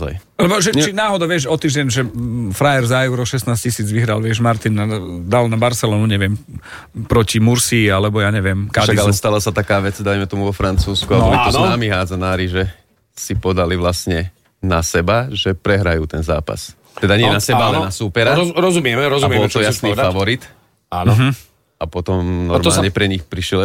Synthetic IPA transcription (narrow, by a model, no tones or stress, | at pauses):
za̰j | alɛbɔʒɛt͡ʃinaːɦɔd̪ɔʋɛʃɔt̪iːʒɟɛɲʒɛfɾajɛɾzaɛʊɾɔʃɛsnaːscisiːd͡zʋiɦɾalʋɪɛʒmaɾt̪ind̪alnabaɾsɛlɔːnuɲɛʋɪɛm | pɾɔcimuɾsiːalɛbɔjaːɲɛʋɪɛmkadaɡalɛst̪alasat̪akaːʋɛd͡zd̪ajmɛt̪ɔmuʋɔfɾant͡suːskuabɔlit̪ɔznaːmiɦaːd͡zanaːɾiʒɛ | sipɔd̪aliʋlasɲɛ | nasɛbaʒɛpɾɛɦɾajuːt̪ɛnzaːpa̰s | t̪ɛd̪aɲɪɛnasɛbaalɛnasuːpɛɾaɾɔzumɪɛmɾɔzbamɪɛɔlt̪ɔjasniːd̪faʋɔɾit̪ | anɔɦ̩ | apɔt̪ɔmnɔɾmːlɲɛpɾɛɲixpɾiʃɛl